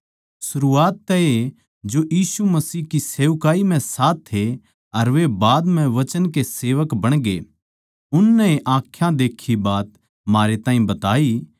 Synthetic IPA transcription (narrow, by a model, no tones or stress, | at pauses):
sʊɾuaːt̪ːɛe | d͡ʒojiːsumɐsiːɦkiseːʊkaːim̤ɛ̃saːt̪ʰɦe | ɐɾʋebaːd̪m̤ɛ̃ʋɐt͡ʃənkeseːʋəkbɐɽ̃ɡe | ʊnːɛeʔãːkʰːjãd̪eːkʰːibaːt̪ | maːɾet̪ãːĩbɐt̪aːi